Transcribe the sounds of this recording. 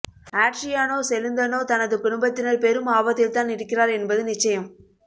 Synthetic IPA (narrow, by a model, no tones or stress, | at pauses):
aːʈʂɪjaːnoːsɛlɯnd̪ɐnoːt̪ɐnɐðɯkʊɽʊmbɐt̪ːɪnɐɾpeːɾɯmaːbɐt̪ːɪlt̪aːnɪɽɯkːɪraːɾɛnbɐðɯnɪt͡ʃːɐjɐm